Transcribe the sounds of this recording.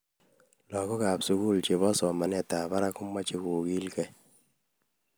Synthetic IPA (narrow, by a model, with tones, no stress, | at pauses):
lɔ˨kɔ˦ka˨psu˨ku˦˨lt͡ʃe˨βɔ˦sɔ˨ma˨nɛ˦˨ta˨ba˦ɾa˦kʊ˦mːa˦t͡ʃi˦ku˨ɡi˦lkɛ˦